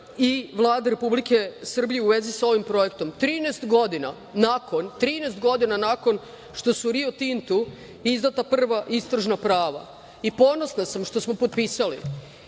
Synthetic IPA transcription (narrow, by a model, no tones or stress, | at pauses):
iʋlˠaːd̪aɾe̞publike̞sr̩bijeuʋe̞zisao̞ʋimpɾo̞jekt̪o̞mt̪ɾiːnest̪ɡo̞d̪ina̰ | nako̞nt̪ɾiːnest̪ɡo̞d̪inanako̞n | ʃt̪o̞suɾiot̪int̪u | izd̪at̪apr̩r̩ʋaʔist̪ɾaʒnapɾaːʋa̰ | ipo̞no̞snasamʃt̪o̞smo̞pot̪̚piːsalḭ